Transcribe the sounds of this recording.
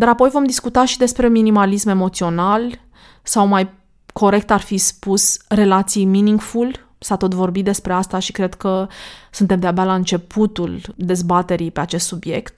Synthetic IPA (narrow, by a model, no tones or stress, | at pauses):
d̪aɾapo̞jvo̞md̪iskut̪aʃid̪e̞spɾe̞minimalisme̞mo̞t̪sio̞nal | sawmaj | kʰo̞ɾe̞k̚t̪arfispusre̞lat̪sijminiŋɡful | sat̪o̞t̪vo̞rbit̪̚d̪e̞spɾe̞ast̪aʃikɾe̞d̪kəsunt̪e̞md̪eabalaɨnt͡ʃe̞pʰut̪uld̪e̞zbat̪e̞ɾijpe̞at͡ʃest̪subje̞̰kt̪